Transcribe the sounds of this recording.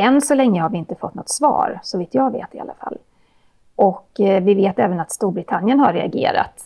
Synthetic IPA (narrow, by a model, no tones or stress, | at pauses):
ɛnːsɔlɛŋːəhaɾvɪɪnt̪əfɔt̪ːnɔt̪ːsvɑ̰ːɾsɔviːt̪ʰjɑːɡvḛːt̪ɪa̰lːa̰fa̰lː | ʔɔkvɪveːt̪ɛːvənat̪st̪uːɾbɾɪt̪ʰanːjənhaɾɛa̰ɡḛːɾa̰t̪